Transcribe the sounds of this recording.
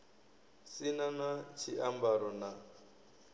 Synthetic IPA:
sinanat͡ʃʰiʔambaɾɔna

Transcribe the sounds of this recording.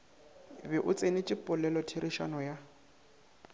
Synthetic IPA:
bɪʔʊt͡sʼenɪt͡ʃʼɪpʼʊlɛlɔtʰiɾʔiʃa̰nɔja

